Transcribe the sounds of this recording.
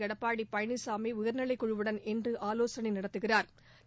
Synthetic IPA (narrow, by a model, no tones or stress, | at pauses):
ɐɽɐpːaːɽipːɐjɐɳisaːmiʊjɐɾnɐɭɐɪkːɔɻɯʋɯɽɐnɛndrɯʔaːloːsɐnɐɪnɪɽɐt̪ːɯɣɪraːɾ